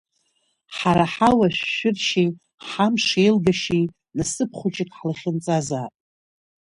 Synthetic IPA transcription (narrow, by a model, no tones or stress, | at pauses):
ħaɾaħawaʃʷᶣːɪrʃej | ħamʂejlɡaʃij | nasɨpʰχʷʊt͡ʃʼɪkʼħlaχʲɪnt͡sʼazaːtʼ